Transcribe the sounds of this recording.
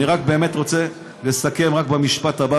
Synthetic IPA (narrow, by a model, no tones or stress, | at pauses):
iʁak̚be̞ːme̞t̪ʁo̞t͡se̞ | lesake̞mʁakbemiʃpat̪aba